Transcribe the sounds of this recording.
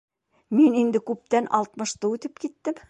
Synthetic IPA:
minind̪ɘkʉp̚t̪ænʔɑlˠt̪mɤ̆ʃt̪ɤʉt̪ɘpkit̪ːɘm

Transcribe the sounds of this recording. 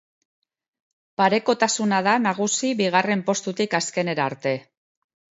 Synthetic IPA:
paɾe̞ko̞t̪asunað̞anaɣ̞usiβiɣ̞are̞mpo̞st̪ut̪ikaske̞ne̞ɾaɾt̪e̞

